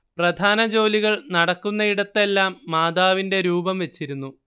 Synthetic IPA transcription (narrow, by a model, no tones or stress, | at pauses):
prɐd̪ʱaːnɐd͡ʑo̞ːliɣɐɭnɐɽɐkːunːɐiɽɐt̪ːe̞lːaːmːaːd̪aːʋinde̞ɾuːbɐmʋe̞t͡ɕːiɾunːu